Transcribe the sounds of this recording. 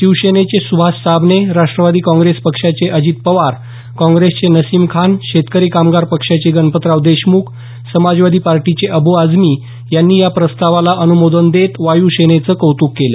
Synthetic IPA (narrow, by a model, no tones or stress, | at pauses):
ɕiwɕenet͡ɕesubʱasabneɾaʂʈɾəʋad̪iːkɔ̃ŋɡɾespəkʂat͡seʔəd͡ʑiːt̪̚pəʋaɾ | kɔ̃ŋɡɾest͡senəsiːmkʰanɕet̪kəɾikamɡaɾpəkʂat͡ɕeɡənpət̪ɾaʋd̪eɕmukʰ | səmad͡zʋad̪ʱiːpaɾʈit͡ɕeʔəbʱuad͡zmiː | janːiːjapɾəst̪aʋalaʔənumod̪ʱənd̪et̪ʋajuːɕenet͡səːkəwt̪uːkːelə̰